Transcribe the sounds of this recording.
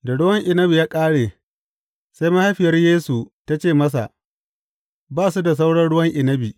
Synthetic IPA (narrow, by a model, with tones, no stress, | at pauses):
da˨ɽʊ˦wɐ˦ŋʔɪ˨nɐ˦bi˨jaː˦kʼaː˦ɽeː˨ | sa˦jma˦ha˦ɸɪ˨jɐ˦rjeː˦su˨ta˦t͡ʃeː˦˨mɐ˦s̬a̰˨ʔ | baː˦˨su˦da˨s̬a˦wɽɐ˦nɽʊ˦wɐ˦ŋʔɪ˨nɐ˦bi˨